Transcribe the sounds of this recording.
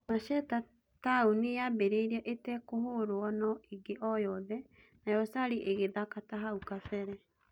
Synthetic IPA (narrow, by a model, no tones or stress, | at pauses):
maʃɛta | taunijabeɾeiɾɛʔetɛkohoɾoɔnɔiɡeʔɔjɔðɛ | najɔsaɾiʔeɣeðakataɦaukafɛɾɛ